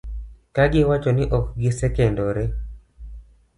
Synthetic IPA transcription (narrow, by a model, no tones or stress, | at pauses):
kaɡɪwat͡ʃonɪʔɔkɡɪsɛkendoɾɛ